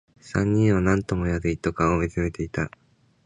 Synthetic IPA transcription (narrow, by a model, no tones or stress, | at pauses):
sãɲ̟ːĩɰ̃βanãnt̪o̞mo̞jaɾɯit̪ːokãomet͡sɨme̞t̪e̞it̪a